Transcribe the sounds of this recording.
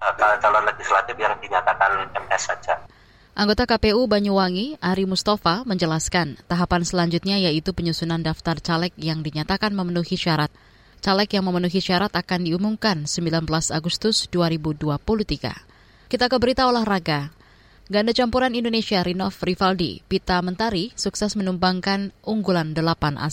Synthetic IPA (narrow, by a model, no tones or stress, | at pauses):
kaat͡ʃalanleɡislat̪ɪfjaŋdiɲat̪akanɛmɛsad͡ʒa | ʔaŋɡot̪akapeubaɲuwaŋiʔaɾimust̪afaməɲd͡ʒəlaskant̪aɦapansəlaɲd͡ʒut̪̚ɲajait̪upəɲusunandaft̪art͡ʃalɛk̚jaŋdiɲat̪akanməmənuhiʃaɾat̪̚ | t͡ʃalɛkjaŋməmənuɦiʃaɾat̪akandiumumkansəmbilanbəlasa̰ɡust̪ʊsduaɾibuduapuluht̪iɡa̰ | kit̪akəbəɾit̪aulahraɡa | ɡandat͡ʃampuɾanindonesiaɾinɔfrifaldḭpit̪amənt̪aɾisuksɛsmənumbaŋkanʔuŋɡulandəlapanʔa̰s